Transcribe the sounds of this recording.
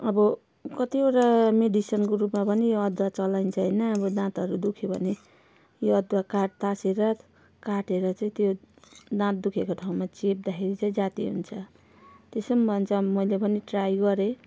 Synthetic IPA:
ʌbʌ | kʌt̪ioʈameɖisʌnkoɾupmapʌnijoʌd̪wat͡sʌlajnt͡sʰʌɦʌjnʌːbʌdãt̪ʌɾud̪ukʰjobʱʌ̰ne | joʌd̪wakaʈ̚t̪aseɾʌ | kaʈeɾʌt͡saĩt̪joɖãt̪̚d̪ukʰekoʈʰaũmat͡sep̚d̪akʰeɾit͡saĩd͡zat̪iɦṵnt͡sʰʌ | t̪esʌmbʱʌnt͡sʰʌmʌjlebʱʌniʈrajɡʌɾe

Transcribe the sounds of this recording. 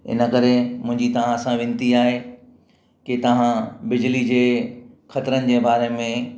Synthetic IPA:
ɪ̰nə̆kɐɾemʊ̃ɦɪ̃ɲd͡ʑit̪ɐʋ̤ãsãʋɪ̃nt̪iaːɦe | ket̪ɐʋ̤ãbɪd͡ʑlid͡ʑeːxɐt̪ɾənɪ̆d͡ʑeːbaːɾemẽ

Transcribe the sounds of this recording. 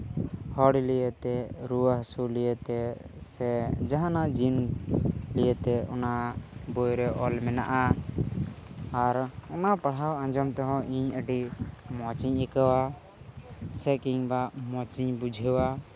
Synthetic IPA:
hɔɽilijət̪ɛɾuwaɦsulijət̪ɛsɛd͡ʒaɦanad͡ʒin | lijət̪ɛɔ̰nabɔjɾɛʔɔlmɛna̰ʔa | ɾɔnapaɽɦawãɲd͡ʒɔmt̪ɔɦɔ̃ʔiɲəɖimɔt͡ʃiɲɛkawa | sɛkiɲbamɔt͡ʃiɲbud͡ʒʱəwa

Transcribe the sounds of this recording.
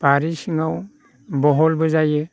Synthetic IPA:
paɾisiŋaw | bɔɦɔlbɯzajɯ

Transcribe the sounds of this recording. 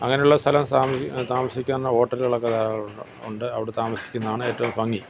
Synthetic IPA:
ɐ̰ŋːɐnejuɭːɐst̪ʰɐlɐmsaːmt̪aːmɐsikʲːaːnːɐoːʈːɐrilɐɭɐkːɐðaːɾɐ | uɳɖɨɐʋiɽet̪aːmɐsi̥kʲːunːɐðaːɳɨe̞ːtːɐʋumsʋɐŋːi

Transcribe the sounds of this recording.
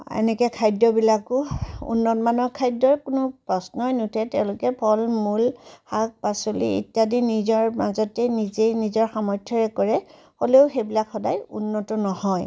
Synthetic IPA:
ɛ̰nɛkɛkʰajdɔbilakʊṵnːɔtmanɔɹkʰajdɔɹkʊnʊpɹɔsnɔjnutʰɛtɛʊ̃lʊkɛpʰɔlmulhak̚pasolḭḭtjadinizɔɹmazɔtɛnizejnizɔɹxamɔjtʰjɔɹɛkɔɹɛ | holeʊxejbilakxɔdajṵnːɔtɔnɔhɔj

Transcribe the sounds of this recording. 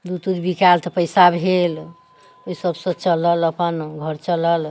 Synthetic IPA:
d̪ut̪ud̪bikalt̪ɔpəjsabʱel | əisəbsət͡ʃələləpənɡʱəɾt͡ʃələl

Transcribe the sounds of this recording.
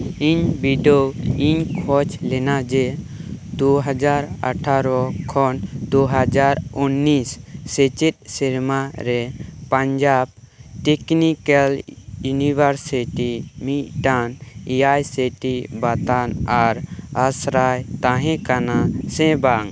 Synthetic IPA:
iɲbiɖowiɲkʰɔt͡ʃlɛnad͡ʒɛd̪uɦad͡ʒaɾa̰ʈʰaɾɔkʰɔnd̪oɦad͡ʒaɾunːisːɛt͡ʃit̪̚siɾmaɾɛpãɲd͡ʒab̚ | ʈɛknikaljunibaɾsiʈimit̪̚ʈanijajsiʈibat̪anaɾasɾajt̪ãɦɛ̃kanasɛ̃baŋ

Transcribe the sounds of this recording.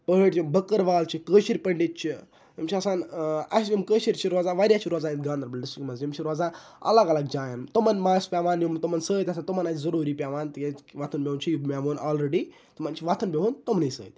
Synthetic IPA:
pəɦəʈt͡ʃimbəkəɾʋaːlt͡ʃʰikəːʃiɾʲpəɳɖit̪̚t͡ʃʰi | ɐmt͡ʃʰiɐsaːnɐ̰sd͡ʒimkəːʃiɾʲt͡ʃʰiɾoːd͡zaʋaɾʲiat͡ʃʰiɾoːzaĩt̪ɡãːnd̪ɐɾbɐlʲɖisʈikmɐzd͡ʒimt͡ʃʰiɾod͡zaɐ̰laɡalaɡd͡ʒaːjant̪omɐnmaːspʲaʋaːnjimt̪omɐnsəːt̪ʲɐsant̪omɐnazɐɾuːɾiːpʲaʋaːnt̪ieʋaːt̪ʰunbʲeunt͡ʃʰijimʲaːʋuːnaːlɾeɽi | t̪umant͡ʃʰiʋaːt̪ʰunbʲeɦunt̪omniːsə̰ːt̪̚ʲ

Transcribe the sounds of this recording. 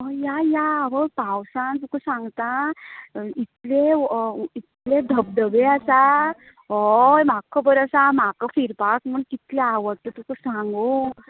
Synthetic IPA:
ɔjajaʋəpawsãnt̪ukəsãŋɡt̪a | it̪le | it̪led̪ʱəb̚d̪əbeasa | ɦɔjm̤akʰːəbəɾasam̤akəfiɾpakm̤əɳkit̪leaʋəʈt̪ːut̪ukəsãŋɡu

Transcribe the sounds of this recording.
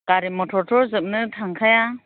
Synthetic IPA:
kaɾimɔtʰɔɾtʰɔɾzɯp̚nɯtʰaŋkʰaja

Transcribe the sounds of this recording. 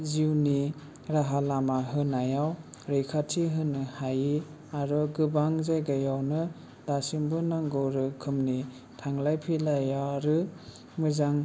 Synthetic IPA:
ziwni | ɾaɦalamaɦɯnajawɾɯkʰatʰiɦɯnɯhaji | aɾɔɡɯbaŋzajɡajawnɯ | dasimbɯnaŋɡɔɾɯkʰɯmni | tʰaŋlajpʰilajaɾɯ | mɯzaŋ

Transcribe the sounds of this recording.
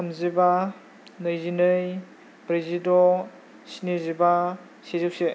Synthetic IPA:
kʰamziba | nɯjzinɯj | pɾezidɔ | sineziba | sezɯwse

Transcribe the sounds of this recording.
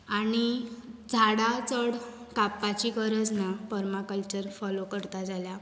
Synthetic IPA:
añid͡zʱaɽat͡səɽ | kapːat͡ɕikəɾəd͡znapəɾmakəlt͡ɕəɾfɔlokəɾt̪ad͡zalja

